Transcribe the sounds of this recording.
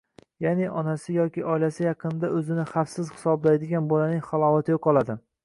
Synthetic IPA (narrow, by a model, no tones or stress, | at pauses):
janɪʔɒnasɪjɒkʲɪʔɒjlasɪjɑqʰɨnɪd̪aɵzɪnɪχafsɪz̥hɪ̥sɒblajd̪ɪɡʲanbolanɪŋʲχalˠɒwat̪ʰɪjoqʰɒlˠad̪ɪ